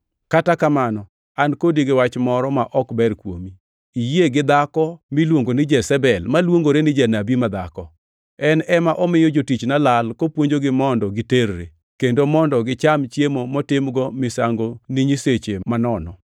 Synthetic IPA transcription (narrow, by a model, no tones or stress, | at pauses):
katakamanɔ | ankodiɡewat͡ʃmɔɾɔmaʔɔkbɛɾkwo̰mi | ijeɡɪd̪akɔmilwoŋɡonɪd͡ʒɛsɛbɛlmalwoŋɡoɾenɪd͡ʒanabimad̪akɔ | ɛnɛmaʔɔmɪjɔd͡ʒotit͡ʃnalalkopwoɲd͡ʒoɡɪmɔndɔɡɪteɾːḛ | kendomɔndɔɡɪt͡ʃamt͡ʃjemomɔtɪmɡɔmɪsaŋɡoniɲiset͡ʃemanɔnɔ̰